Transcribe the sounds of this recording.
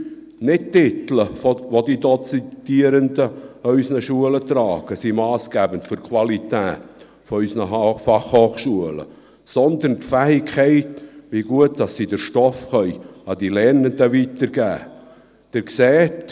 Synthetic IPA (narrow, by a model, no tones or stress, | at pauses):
nɪt̚tɪt̪l̩əfʋodidɔt͡sit̪iəɾəndəœʏsnəʃuələt̪ɾɑːɡ̥əsimɑːsɡ̥æːbəntfʏɾkʰwɑlit̪æːt | fɔœsnəɦfɑχhoːχʃuələ̰ | sɔnd̪əntfæːɪkχɛɪtʋiɡuətd̥ɑsːidəɾʃtɔfχœʏɑd̥ilɛɾnəndəʋitəɾɡ̥æ̰ː | d̥ɪɾksɛːt